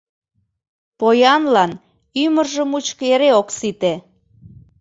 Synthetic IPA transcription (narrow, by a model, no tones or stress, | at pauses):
pojɑnlɑn | ymərʒəmut͡ɕkeɾeoksit̪e